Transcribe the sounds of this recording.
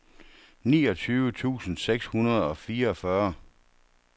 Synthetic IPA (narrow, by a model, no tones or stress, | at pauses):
nḭːɒ̽t͡sʰyːʋət͡sʰṵːsn̩seɡ̥shunɐð̞̩ˠɒ̽fiːɐɒ̽fɶɐ